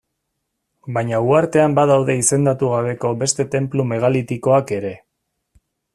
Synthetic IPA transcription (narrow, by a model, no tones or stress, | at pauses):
bajɲauaɾt̪e̞ambaðawðe̞ise̞nd̪at̪uɣ̞aβe̞ko̞be̞st̪e̞t̪e̞mplume̞ɣ̞alit̪ikoake̞ɾe̞